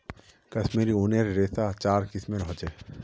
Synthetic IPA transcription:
kɐsmiɾiuːneɾɾeːsat͡ʃaːɾkɪsmẽɾɦot͡ʃeː

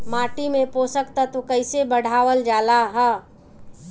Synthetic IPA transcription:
maːʈimẽpoːsəkt̪ət̪ukəɪsebəɽ̤ʱaːʋəld͡ʒaːlaɦə

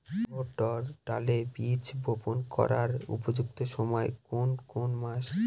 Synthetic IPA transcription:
oʈɔɾʈa̰lebit͡ɕbʱoponkɔ̰ɾaɾṵpod͡ʑuk̚t̪oʃɔmɔekonkonmaʃ

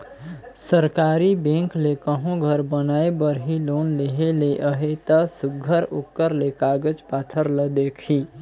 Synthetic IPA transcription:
səɾkaɾibẽŋklekəɦõɡʱəɾbənaebəɾɦilonleɦeleʔəɦet̪əsuɡʱəɾukːəɾlekaɡət͡ʃpat̪ʰəɾləd̪ekʰi

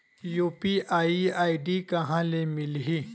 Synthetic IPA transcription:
juːpiʔaːiaːiɖikɐɦãːlemɪlɦi

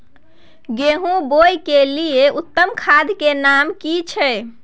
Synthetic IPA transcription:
ɡeɦũbojkelieut̪ːəmkʰad̪ʱkenamkit͡ʃʰɛ

